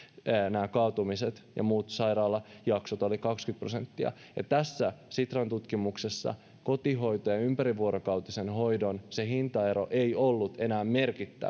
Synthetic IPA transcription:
næːkɑːt̪umiset̪jɑ̰muːt̪sɑiɾɑːlːɑjɑksot̪o̞likɑkskyt̪̚pro̞se̞nt̪ːiɑ̰ | jɑt̪æsːæsit̪rɑnt̪ut̪kimuksesːɑ̰ | ko̞t̪iɦo̞jt̪ojɑympæɾiʋːuoɾokɑwt̪isenho̞jdo̞nse̞hint̪ɑe̞ɾo̞̰ʔe̞jolːut̪e̞næːmme̞rkit̪ːæ̰

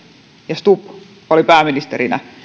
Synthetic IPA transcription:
jɑst̪up | olipæːminist̪eɾinæ̰

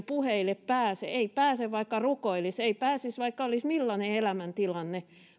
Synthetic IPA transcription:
puheileppæːsḛeipæːseʋʋɑikːɑrukoiliseipæːsisʋɑikːɑolismilːɑneelæmænt̪ilɑnːe

